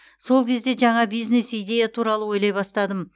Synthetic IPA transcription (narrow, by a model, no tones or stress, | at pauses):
so̞lˠkʲʰe̞zd̪e̞ʒɑɴɑbijznesijd̪e̞jat̪ʰuɾɑlˠəwo̞jlˠɑjbɑst̪ɑd̪əm